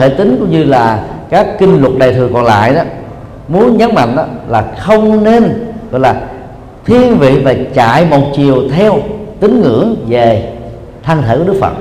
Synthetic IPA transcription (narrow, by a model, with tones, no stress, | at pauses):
e˧˩t̪ï˨˦ŋkʊ̰˧˥˦ŋ͡mɲɨ˧laː˨˩kaː˦˥kːï˧ŋ̟lwə˨˩t̚ɗa̰ː˨˩jt̪ʰɨ˨˩kɔ˨˩nla̰ː˧˨jɗɔ˨˦ | mu˨˦ənɲə˦˥t̚ma̰˧˨ŋ̟ʔɔ˨˦laː˨˩xə˧wŋ͡mne˧nɣɔ̰˧˨jlaː˨˩ | t̪ʰi˧ənvḭ˧˨vaː˨˩t͡ɕa̰ː˧˨jmo˨˩t̚t͡ɕi˨˩əwt̪ʰɛ˧wt̪ï˨˦ŋ̟ŋɨ̰˧˩˥əŋve˨˩ | t̪ʰaː˧ŋt̪ʰe˧˩kwɗk̚fə̰˨˩t̚